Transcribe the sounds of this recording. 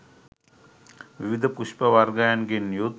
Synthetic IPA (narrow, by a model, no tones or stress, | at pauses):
ʋiʋid̪ʱəpuʃpəʋaɾɡajanɡenːijud̪